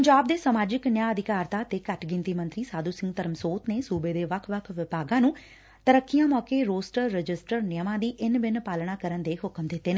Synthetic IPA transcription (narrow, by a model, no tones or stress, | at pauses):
pəɲd͡ʒaːb̚d̪eːsəmaːd͡ʒɪknjãːəd̪ɪkaːɾt̪aːt̪eːkəʈʰɡɪ̃nt̪iːmə̃nt̪ɾiːsaːd̪uːsɪ̃ŋɡt̪əɾəmsoːt̪neːsuːbeːd̪eːʋəkʰʋəkʰʋɪpaːɡãːnũː | t̪əɾəkːɪjãːmɔːkeːɾoːsʈəɾːd͡ʒɪsʈəɾnɪjəmãːd̪iːʔɪnbɪnpaːlɳaːkəɾənd̪eːɦʊkmd̪ɪt̪ːeːna